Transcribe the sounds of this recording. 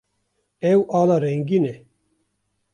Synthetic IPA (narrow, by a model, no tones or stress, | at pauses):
ɛwʔɑːlaːɾɛŋɡinɛ